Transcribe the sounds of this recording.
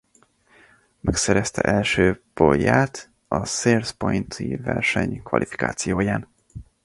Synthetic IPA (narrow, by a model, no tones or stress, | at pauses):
mɛksɛɾɛst̪ɛʔɛlʃøːpojaːt̪ | ɒseːrspojnt̪ʰivɛrʃɛɲkʋɒ̰lʔifi̥ka̰ːt̪sijoːjaːn